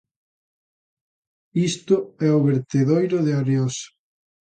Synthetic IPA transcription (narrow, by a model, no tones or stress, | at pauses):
ist̪ʊɛoβeɾt̪eðojɾʊðeaɾeos